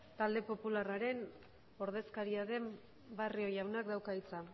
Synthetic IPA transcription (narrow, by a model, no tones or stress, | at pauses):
t̪ald̪e̞po̞pularaɾe̞n | o̞ɾðe̞skaɾiaðe̞m | bario̞jawnak̚d̪awkait͡sa